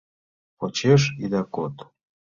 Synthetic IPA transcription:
pot͡ɕeʃid̪ɑkot̪

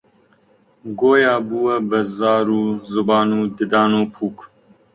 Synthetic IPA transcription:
ɡoːjaːbuwɐbɐzaːɾuːzʊbɑːnuːd̪ɨd̪ɑːnoːpʰuːk

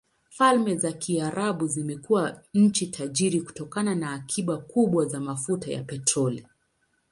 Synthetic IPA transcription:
falmɛzakiaɾaɓuzimɛkuwaɲ̩t͡ʃitʰaʄiɾiku̥tɔkananaːkʰiɓakuɓwazamafutaja̰pɛtɾɔli

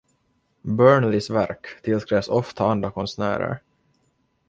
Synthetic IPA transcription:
bœːɳlɪsvæɾkt̪ʰɪlskɾeːvsɔft̪ʰaand̪ɾakʰɔnsnæ̰ːɾə̰ɾ

